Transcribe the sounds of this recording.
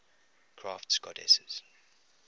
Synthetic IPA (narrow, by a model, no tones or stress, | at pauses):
kʰɹaːftskɔdɛ̰səz̥